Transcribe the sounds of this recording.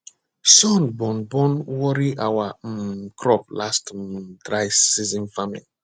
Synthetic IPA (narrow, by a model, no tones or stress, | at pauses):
sɔ̃nbɔ̃nbɔ̃nwɔɾiʔawakʰɹɔp̚lastdɹaɪsizɔ̃nfamili